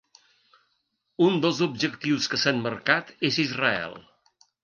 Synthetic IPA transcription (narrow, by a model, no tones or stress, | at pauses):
und̪əlˠzubʒəkt̪iwskəsanməɾkat̪ezizrəɛ̰lˠ